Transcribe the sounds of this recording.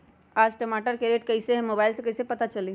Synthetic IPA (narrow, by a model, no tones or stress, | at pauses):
ad͡ʒʈəmaʈəɾkeɾeʈkəiseɦmobaɪilsẽkəisẽpət̪at͡ʃəli